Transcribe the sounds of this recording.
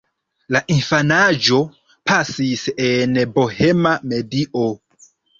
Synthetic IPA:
laʔinfanad͡ʒo̞ | pasisenbohe̞mame̞diʔo

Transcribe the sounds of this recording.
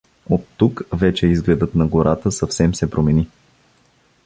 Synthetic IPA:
ot̪ːukvɛt͡ʃɛizɡlɛd̪ət̪nɐɡoɾʔat̪əsɐfsɛmsɛpɾomɛni

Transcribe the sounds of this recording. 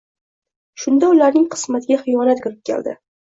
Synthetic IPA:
ʃʊnd̪aʊlaɾnɪŋqʰɨ̥smat̪ɪɡʲaχɨjɒnat̪kʲʊɾɪp̚kʲʰḛld̪ɪ̰

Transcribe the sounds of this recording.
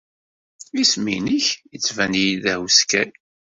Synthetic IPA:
isminiçjət͡sːvænijðæhskæn

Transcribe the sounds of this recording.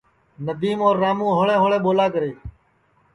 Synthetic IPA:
nəd̪iːmoːɾːaːmũːɦoːɭẽːɦoːɭẽːɓoːlaːkəɾeː

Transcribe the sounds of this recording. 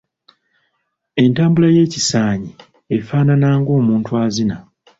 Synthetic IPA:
e̞ntaːmbulaje̞ːcisaːɲi | efaːnanaːŋɡoːmuːntuaːzina

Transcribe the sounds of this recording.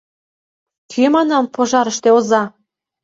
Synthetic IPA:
kʰymɑnɑmpʰoʒɑɾəʃt̪eozɑ

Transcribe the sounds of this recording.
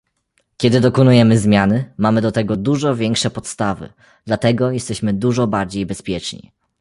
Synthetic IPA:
kʲɛd̪ɘd̪ɔkɔnujɛmɘzmʲjanɘmamɘd̪ɔt̪ɛɡɔd̪uʐɔvʲjɛŋkʂɛpɔt̪st̪avɘ̰ | d̪̥lat̪ɛɡɔjɛst̪ɛɕmɘd̪uʐɔbaɾd͡ʑejbɛspʲjɛt͡ʂɲḭ

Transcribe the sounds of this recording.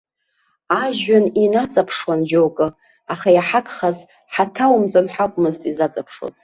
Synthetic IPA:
aʒɥaninat͡sʼapʰʂwand͡ʒowkʼɨ | aχajaħakʼʰχaz | ħatʰawmt͡sʼanħʷakʷʼmɨztʼizat͡sʼapʰʂwo̰zʼ

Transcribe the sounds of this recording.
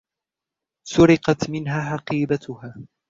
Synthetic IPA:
sʊɾɪqɑt̪mɪnɦaːħɑqiːbat̪ʊhaː

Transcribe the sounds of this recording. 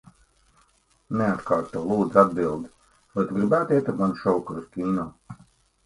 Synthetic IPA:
neat̪kaːɾt̪uɔlˠuːd̪zad̪̚bilˠd̪ | lat̪ɡɾibæːt̪ɛt̪aɾmanʃɔwkɾuskʲiːnɔː

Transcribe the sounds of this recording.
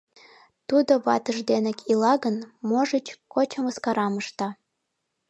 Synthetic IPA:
t̪ud̪oβɑt̪əʒd̪enĕkʰilɑɣənmoʒət͡ɕkot͡ɕə̆məskɑɾɑməʃt̪ɑ

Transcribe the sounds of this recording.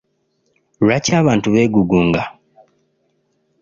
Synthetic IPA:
wacaːβaːntuβeːɡuɡuːŋɡa

